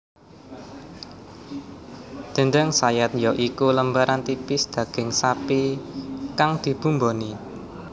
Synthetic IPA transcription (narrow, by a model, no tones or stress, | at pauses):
d̪̥ə̤ɳdəŋsajat̪̚jɔʔikuləmbaɾant̪ipɪsd̪̥ä̤ɡ̥ɪ̤ŋsapi | kaŋd̪̥i̤b̥ṳmboni